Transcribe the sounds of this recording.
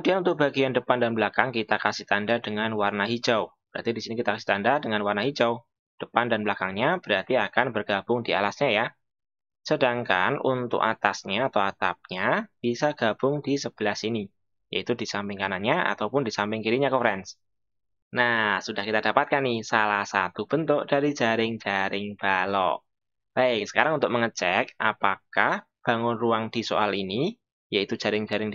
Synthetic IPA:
udianunt̪ʊk̚b̥aɡiandəpandanbəlakaŋkit̪akasiht̪andadəŋanwarnaɦid͡ʒawb̥əɾa̰rt̪idisinikit̪akasi̥ht̪andadəŋanwarnaɦid͡ʒaw | d̥əpandanbəlakaŋɲab̥əɾat̪iakanbərɡ̥ab̥ʊŋdialasɲaja | sədaŋka̰nṵnt̪ʊ̰kat̪asɲaːt̪awat̪ap̚ɲab̥isaɡ̥ab̥ʊŋdisəb̥əlasini | ja̰it̪udisampɪŋkananɲaa̰t̪awpʊndisampɪŋkiɾiɲakəfɾɛns | nasudahkit̪ad̥apat̪̚kanisalahsa̰t̪ub̥ənt̪ʊʔd̥aɾi̥d͡ʒ̥aɾɪŋd͡ʒ̥aɾɪŋb̥alɔ̰ʔ | baɪksə̥kaɾaŋunt̪ʊk̚məŋət͡ʃɛkʔapakah | b̥a̤ŋʊnruaŋd̥iso̰ʔalini | jait̪ud͡ʒ̥aɾɪŋd͡ʒaɾɪŋ

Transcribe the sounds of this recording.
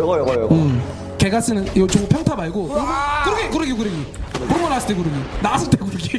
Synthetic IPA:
ɯm | keɡas͈ɯnɯnjot͡ɕoŋpʰjʌŋtʰamaɭɡokɯɾʌkʰekɯɾɯɡjokɯɾɯɡikɯɾŋmʌnas͈ɯ̥t͈ekɯɾɯɡinaas͈ʰɯɭt͈ʰekɯɾɯɡi

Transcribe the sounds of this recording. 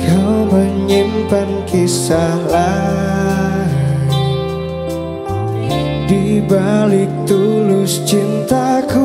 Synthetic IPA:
kawməɲimpankʰisala | dibalɪk̚t̪ulʊst͡ʃint̪aku

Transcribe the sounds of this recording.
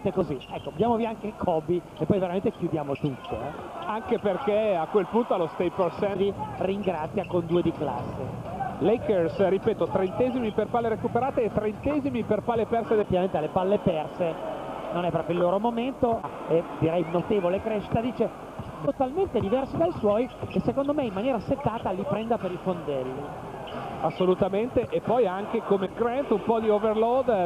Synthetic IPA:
t̪ekoziɛkːod̪jaːmoviaaŋkekʰɔbi | epːɔjveɾamẽnt̪ek̟jud̪jaːmot̪ut̪ʰːo̰ɛaŋkeperkeakwelpunt̪oalost̪ajporsɛviriŋɡɾat̪sːjakond̪uːed̪ikla̰sːḛ | lejkersɾipɛːt̪ot̪ɾent̪ɛzimiperpalːeɾekupeɾaːt̪eːt̪ːɾent̪ɛːzimiperpalːepɛrsed̪et̪ːivament̪ealːepalːepɛrsenonɛpːɾɔːpjoilːoːɾomoment̪o | ed̪iɾɛjnot̪eːvolekɾeːʃːi̥t̪ad̪iːt͡ʃe | t̪alment̪ed̪ivɛrsid̪ajswɔjesːekond̪omeimːanjɛːɾaset̪ːaːt̪alipɾɛnd̪apeɾifond̪ɛlːi | asːolut̪ament̪eʔepːɔjaŋk̟ekomeɡɾɛnt̪umpɔd̪ioverlɔd̪

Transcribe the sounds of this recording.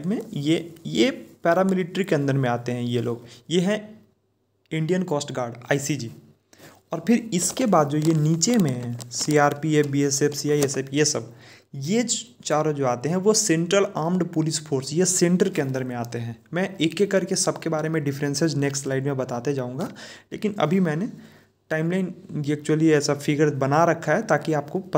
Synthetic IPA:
mẽjejepɛːɾamɪlɪʈɾikeɐ̃nd̪əɾmẽaːt̪eɦɛ̃jeloːɡjeɦɛ̃ | ɪ̃ɳɖijənkɔːsʈɡaːɾɖaːisid͡ʒiː | ɔːɾpʰɪɾɪskebaːd̪̚d͡ʒojeniːt͡ʃemẽɦɛ̃siaːɾpiebiesefsiaːiesepjesɐb̚ | je | t͡ʃaːɾõd͡ʒoːaːt̪eɦɛ̃ʋosẽːɳʈɾəlaːmɖpʊlɪspʰoːɾsjesẽːɳʈəɾkeɐ̃nd̪əɾmẽaːt̪eɦɛ̃ːmɛ̃eːkːekɐɾkesɐbkebaːɾemẽɖɪfʰɾɛ̃nsed͡ʒneːksʈslaːɪɖmẽbɐt̪aːt̪ed͡ʒaːũːŋɡaːlḛːkɪnɐ̰bʱimɛ̃ːne | ʈaːɪmlaːɪneːk̚t͡ʃuwəliɛːsafʰɪɡəɾbɐnaɾɐkʰːaɦɛt̪aːkiaːpkop

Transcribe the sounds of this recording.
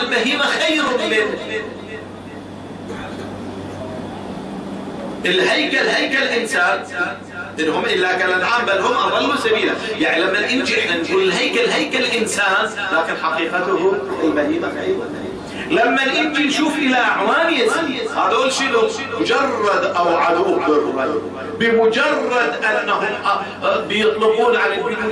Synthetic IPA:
lbaɦiːmaxajɾʊmlɪn | ʔɪlɦajkalhajkallʔɪnsaːn | ʔɪnhʊmʔɪlːakaːnanʕaːmbanhʊmʔaɾaːlʊsabiːlajaʕnilamːanʔɪnd͡ʒiʔɪħnanɡuːlɪlɦajkalɦajkallʔɪnsaːn | laːkɪnħɑqiːqɑt̪ʊhʊmɪlmaliːmafʕa̰jba | lamːanʔɪnd͡ʒ̪inʃuːfʔɪlaʔaʕwaːnɪjasahaːðaʔʊlːʃilʊ | ʊd͡ʒɑrˤːɑd̪ʔawʕalubɪɾʊm | bɪmʊd͡ʒɑrˤːɑd̪ʔanːaɦʊmʔ | bɪjɨt̪ˤlʊquːnʕala

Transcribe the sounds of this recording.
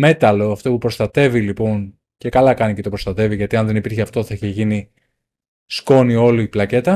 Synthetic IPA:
me̞t̪ɐloɐft̪o̞pupɾo̞st̪ɐt̪e̞vilipo̞n | ce̞kɐlɐkɐnicet̪o̞pɾost̪ɐt̪e̞viʝɐt̪iɐnðe̞nipiɾçeɐft̪o̞θɐiçe̞ʝini | sko̞nio̞liplɐce̞t̪ɐ

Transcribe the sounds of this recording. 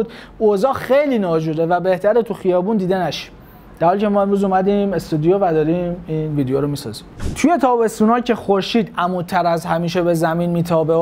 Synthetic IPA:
d̪ | ozɒːxejliːnɒːd͡ʒud̪evæbe̞ht̪ʰæɾet̪ʰuxijɒːbuːnd̪iːd̪enæʃi̥m | d̪̥æɾhɒːlicʰemɒːe̞mɾuːzumæd̪ime̞st̪ud̪ijovæd̪ɒːɾimiːnviːd̪ejoɾomiːsɒ̰ːzimt̪ʰuje̞t̪ʰɒːbe̞st̪uːnɒːcʰexo̞ɾʃiːd̪æmuːt̪ʰːæɾæzhæmiːʃebe̞zæmiːnmiːt̪ʰɒːbe

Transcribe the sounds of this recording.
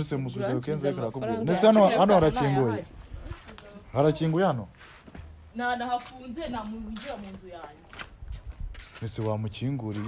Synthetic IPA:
nisemus̬uajokeːnzaekaɾakoβɡunesihanoanohaɾaciːŋɡuje | haɾaciːŋɡujehano | nanahafuːnzienamuɡuɟiwamiːnzujaːje | nesiwamuciŋɡuɾi

